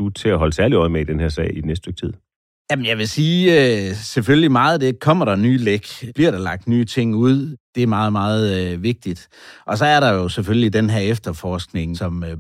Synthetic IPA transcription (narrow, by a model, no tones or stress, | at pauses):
ut͡sʰe̝æɦɒ̽ləsæɐliɒ̽ɪmeid̥enheɐsɛ̰ɪ̰i̥nesd̥d̥øɡ̥̚t͡sʰið̰ˠ | jæmnjɑ̈ɪʋe̝siːøseføllimɑ̈ːð̞̩ˠd̥ekʰɒ̽m̰ɐɾ̥ɑ̈nyːleɡ̥b̥liɐɾ̥ɑ̈lɑ̈ɡ̥̚d̥nyːt͡sʰe̝ŋ̰uð̞̰ˠd̥e̝æɐmɑ̈ːð̞̩ˠmɑ̈ːð̞̩ˠʋe̝ɡ̥̚d̥id̥ | ʔɒ̽s̬ɒ̽æɐɾɑ̈jo̝seføllid̥enɦæɐefd̥ɐfɒːsɡ̥ne̝ŋsɒ̽m